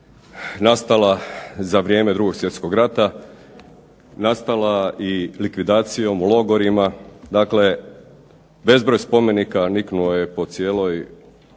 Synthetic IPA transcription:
nast̪alazaʋɾje̞ːme̞d̪ɾuɡo̞ɡsʋje̞t̪sko̞ɡɾat̪a | nast̪alailikʋid̪aːt̪sijo̞mulo̞ɡoɾimad̪akle̞ | be̞zbɾojspo̞me̞nikaniknuojepo̞t̪sijeːlˠoj

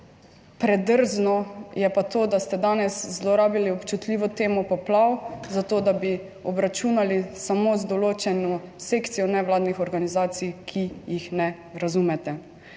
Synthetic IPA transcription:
pɾɛd̪əɾznɔjɛpat̪oːd̪ast̪ɛd̪aːnɛszlɔɾaːbiliɔpt͡ʃut̪liːʋɔt̪eːmɔpɔplawzat̪oːd̪abi | ɔbɾat͡ʃuːnalisamozd̪ɔloːt͡ʃɛnɔsekt̪sijɔnɛwlaːd̪nixɔɾɡanizaːt̪sijkʰijixnɛ | ɾazumɛt̪ɛ

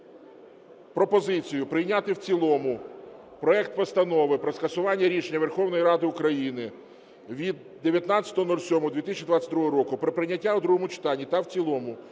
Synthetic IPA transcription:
pɾɔpɔzɪt͡sʲijʊpɾɪjnʲat̪ɪwt͡sʲilˠɔmʊ | pɾɔɛkt̪̚pɔst̪ɐnɔʋɪpɾɔskɐsʊʋɑnʲːɐɾʲiʃenʲːɐʋerxɔwnɔjiɾɑd̪ɪʊkɾɐjinɪ | ʋʲid̪ːeʋʲjɐt̪nɑt͡sʲɐ̥t̪ɔɦɔnɔlʲsʲɔmɔd̪ʋʲit̪ɪisʲt͡ʃʲːid̪ʋɑt̪ʲt͡sʲɐt̚ʲd̪ɾuɦɔɦɔɾɔkʊpɾɪpɾɪnʲɐtʲːaʊd̪ɾuɦɔmʊt͡ʃɪ̥t̪ɑnʲːit̪ɐwt͡sʲilˠɔmʊ

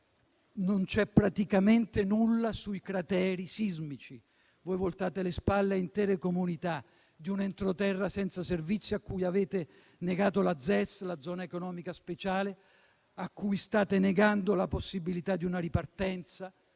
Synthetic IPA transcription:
nont͡ʃɛpːɾat̪ikament̪enulːasuikɾat̪ɛːɾisizmit͡ʃi | vojvolt̪aːt̪elespalːeint̪ɛːɾekomunit̪a | d̪iunent̪ɾot̪ɛrːasɛnt̪saservit̪sːjoakːujavɛːt̪e | neɡaːt̪olad̪zːɛslad̪zːɔːnaekonɔːmikaspet͡ʃaːle | akːujst̪aːt̪eneɡand̪olaposːibilit̪ad̪ːiunaɾipart̪ɛnt̪sa

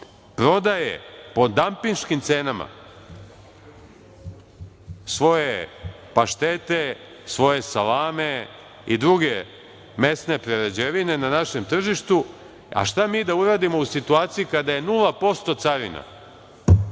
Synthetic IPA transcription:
pɾo̞d̪ajḛpo̞d̪ampiŋʃkimt̪se̞ːnama̰ | sʋo̞je | paʃt̪e̞t̪e̞ | sʋo̞je̞salaːme̞ | id̪ɾuɡe̞ | me̞sne̞pɾeɾed͡ʑeʋine̞nanaʃe̞mt̪r̩ʒiʃt̪u | a̰ʃt̪amiːd̪auɾaːd̪imo̞usit̪uaːt̪sijikad̪aje̞nulˠapo̞st̪o̞t̪saɾḭna̰

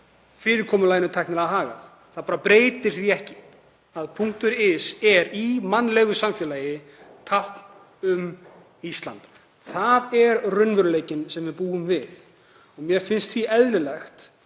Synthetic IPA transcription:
fɪːɾɪɾkʰɔːmʏlaːjɪnʏt̪ʰajknɪɾaðɦaːɣa̰θ | θaðpaːɾapɾeːjt̪ɪɾ̥θiɛhcɪ̥ | aðpʰuŋ̥t̪ʏɾɪsɛɾimanːlɛɣʏsamfjɛːlaːjɪ | t̪ʰahkn | ʏm | ist̪la̰nt̪ | θaðɛɾrʏnvʏɾʏleːjcɪnsɛmvɪðpuːɣʏmvɪð | ɔɣmjɛfɪnst̪fiʔɛðlɪlɛxt̪

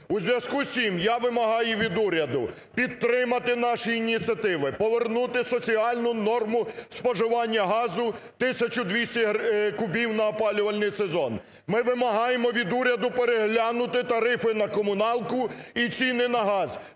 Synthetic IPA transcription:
uzʲʋʲjɐskusʲimjaʋɪmɐɦɑjʊʋʲid̪uɾʲɐd̪ʊ | pʲid̪̚t̪ːɾɪmɐt̪ɪnɑʃiːnʲit͡sʲiɐt̪ɪʋɪpɔʋernut̪ɪsɔt͡sʲiɑlʲnʊnɔrmʊspɔʒɪʋɑnʲːɐɦɑzʊt̪ɪsʲɐt͡ʃʊd̪ʲʋʲisʲtʲɐkʊbʲiwnɐːpɑlʲʊʋɐlʲnɪjsezɔn | mɪʋɪmɐɦɑjemɔʋʲid̪uɾʲɐd̪ʊpeɾeɦlʲanʊt̪ɪt̪ɐɾɪfɪnɐkɔmʊnɑlˠkʊit͡sʲinɪnɐɦɑz

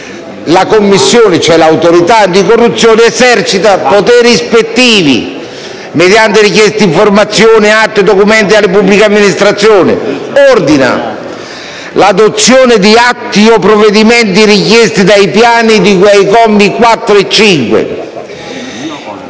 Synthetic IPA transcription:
lakomːisːjoːnɪt͡ʃɛlawt̪oɾit̪ad̪ikorːut̪sːjoːnɪɛsɛrt͡ʃit̪apot̪ɛɾispet̪ːiːvḭ | med̪jant̪eɾikjɛst̪eiɱformat̪sːjoːnɪat̪ːed̪okumɛnt̪̬ialːɪpubːlikeamːinist̪ɾat̪sːjoːnɪ̰ɔrd̪ina̰ | lad̪ot̪sːjoːnɪd̪iat̪ːiɔpːɾovːed̪imɛnt̪iɾikjɛst̪id̪ajpjaːnid̪ikwajkɔmːikwat̪ːɾoet͡ʃːiŋkwḛ

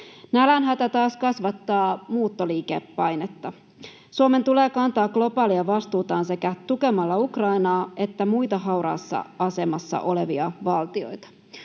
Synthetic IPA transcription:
nælænɦæt̪æt̪ɑːskɑsʋɑt̪ːɑːmuːt̪ːoliːkḛpːɑjnet̪ːɑ | suome̞nt̪ule̞ːkɑnt̪ɑːɡ̚ɡ̥lo̞pɑːliɑʋɑst̪uːt̪ɑːnse̞kæt̪uke̞mɑlːɑukrɑinɑːe̞t̪ːæmujt̪ɑɦɑwɾɑ̰ːsːɑ̰ɑse̞mɑsːɑ̰ʔo̞leʋiɑʋɑlt̪io̞jt̪ɑ̥

